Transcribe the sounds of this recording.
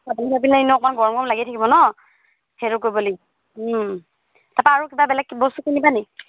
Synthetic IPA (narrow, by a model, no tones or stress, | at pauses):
apunibapilainɔk̚manɡɔɹɔmɡɔɔmlaɡitʰakibɔnɔ | hʰeɹukojbɔli | tapaaɹukibabɛlɛkːbɔstukinibanɛ